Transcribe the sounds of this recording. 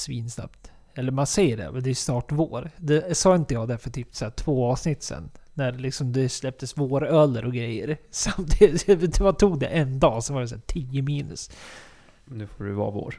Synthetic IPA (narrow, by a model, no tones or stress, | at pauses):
sviːnsna̰pt̪ | ɛlːəɾmansɛjːəɖɛ̰mɛd̪ɛjʉsnɑːʈvoːɾd̪ɛsɑːɪnt̪əjɑːɡd̪æɾfœʈ̪ʰyːpsæːʈʰv̥oːɑːvsnɪt̪ːsɛ̰nːæɾlɪksɔmd̪ɛslɛp̚t̪əsvoːɾœlːəɾʔɔɡɾɛjːəɾsamt̪ʰinmant̪ʰuːɡd̪ɛ̰ʔɛnd̪ɑːsɔnvɑːɾɛs̬æ̰ːʈʰiːəmiːnɵ̰s | mɛnd̪ʉfoɖɵ̰vɑ̰ːvo̰ːɾ